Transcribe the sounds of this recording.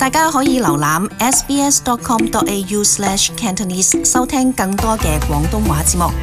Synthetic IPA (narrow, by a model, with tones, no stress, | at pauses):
t̪aː˨˧jkaː˥ɦɔː˨˥jiː˨˧lɐ˨˩wlaː˨˧mɛː˥spiː˥ɛ˥st̪ɔː˧kʰɔː˥mt̪ɔː˥t̚e˧juː˧slɛː˧˥ʃkʰɛː˧nt̪ʰo˨niː˧ssɐ˥wt̪ʰɛː˥ŋkɐ˧ŋt̪ɔː˥kɛː˧kwʷɔː˨˥ŋt̪ʊ˥ŋwaː˨˥t͡siː˧t̚mʊ˨k̚